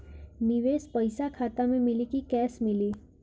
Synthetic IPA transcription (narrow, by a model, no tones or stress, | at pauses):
niʋespəjsakʰat̪amẽmilikikɛsmili